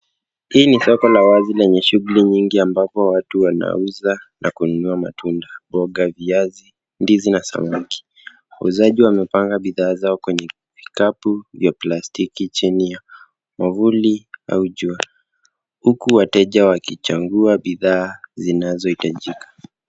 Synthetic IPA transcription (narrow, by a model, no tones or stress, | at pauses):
hiːnisɔkɔlawazilɛɲɛʃuɣuliɲiŋɡiambapɔwatuwana̰uzanʔakununuama̰tundaɓɔɠaviazi | ndizinasa̰maki̥ | wa̰uzaʄiwamɛpaŋɡaɓiðaːzaɔkwɛɲɛ | vikapuvjaplastikit͡ʃinija | mavulia̰uʄua | hukuwatɛʄawakit͡ʃaŋɡuaɓiðaːzinazɔhitaʄikḁ